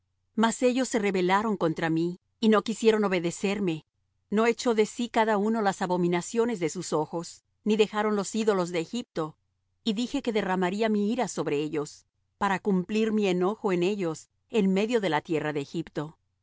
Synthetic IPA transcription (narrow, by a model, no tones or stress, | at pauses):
mase̞ʝo̞sːe̞re̞βe̞laɾo̞ŋko̞nt̪ɾamiː | no̞kisje̞ɾo̞no̞βe̞ðe̞se̞ɾme̞ | no̞et͡ʃo̞ðe̞sikaðauno̞lasaβo̞mĩnasjo̞ne̞zðe̞suso̞xo̞s | niðe̞xaɾo̞nlo̞siðo̞lo̞zðe̞ːxip̚t̪o̞ | iðixe̞ke̞ðe̞ramaɾiamiiɾaso̞βɾe̞eʝo̞s | paɾakumpliɾmie̞no̞xo̞e̞ne̞ʝo̞s | e̞nme̞ðjoðe̞lat̪je̞raðe̞ːxipt̪o̞